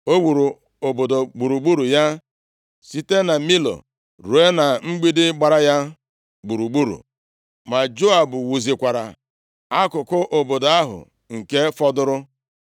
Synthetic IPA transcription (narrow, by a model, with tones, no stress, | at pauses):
o˦wu˨ɾu˨ | o˨bo˨do˨ɡ͡bu˨ɾu˨ɡ͡bu˦ɾu˨ja˦ | si˦te˦na˨mi˦lo̰˨ | ɾu˨e˦na˨ŋ͡m̩˦ɡ͡bi˦dɪ˦ɡ͡ba˨ɾa˦ja˦ | ɡ͡bu˨ɾu˨ɡ͡bu˦ɾṵ˨ | ma˨d͡ʒo˦a˨bʊ˨wu˨zi˨kʷa˨ɾa̰˨ | a˦kʊ˨kʊ˦ʔo˨bo˨do˨a˦ɦʊ̰˨ | ŋ̩˨ke˦fɔ˦dʊ˦ɾʊ˦